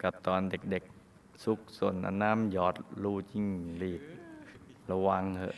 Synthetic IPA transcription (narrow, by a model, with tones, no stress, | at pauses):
ka˧˩p̚t̪ɔː˨nde˨˩k̚de˨˩k̚ | su˧˦k̚so˧˩nʔa̰˧na˧˥˨mjɔː˨˩t̪̚luː˧t͡ɕi˧˨ŋliː˨˩t̪̚ | la˧wa˧ŋhʰɤ˧ʔ